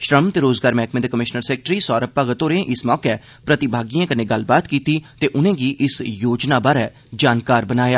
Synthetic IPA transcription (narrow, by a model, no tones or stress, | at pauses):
ʃɾəmt̪eːɾoːzɡaːɾmɛːkmẽːd̪eːkəmɪʃnəɾsɛːk̚ʈɾiːsɔːɾəpːaːɡət̪oːɾẽːʔɪsmɔːkɛː | pɾət̪ɪbʱaːɡijãːkəneːɡəlbaːt̪kiːt̪iːt̪eːʔʊnẽːɡiːʔɪsjoːd͡ʒnaːbaːɾɛː | d͡ʒaːnkaːɾbənaːjaː